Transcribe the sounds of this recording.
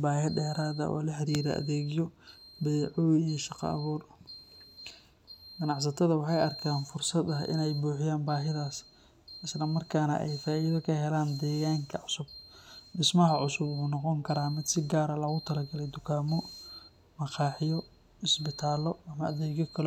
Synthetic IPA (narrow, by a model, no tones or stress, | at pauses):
baːɦɪɖɛːɾaːðɐ̰ʔɔ̰ːlɐħɐɾiːɾɐ̰ʔɐ̰ðɛːɣɪjɔbɛjʕʊwijʃɑqɑ̰ʔɐ̰βuːr | ɡ̥ɐnɑʕs̬ɐt̪ʰɐðɐwɑħɑjɐrkʰaːnfʊrsɐd̪ɐʔɪ̰nɛjbuːħɪjaːnbaːɦɪðaːs | ʔɪslɐmɐrkʰaːnɐ̰ʔɛ̰jfaːʔiðɐkʰɐɦɛlaːnd̪ɛːɣaːŋkʰɐʕʊsʊb̚ɖɪsmɐɦɐʕʊsʊbʊʊːnɔqɔŋkʰɐɾaːmɪd̪sɪɡaːɾɐlɐɣʊt̪ʰɐlɐɡɐlɛjd̪ʊkʰaːmɔ | mɐqɑːħɪjɔ | ɪsbɪt̪ʰaːlɔɐmɐɐðɛːɣjɔkʰɐl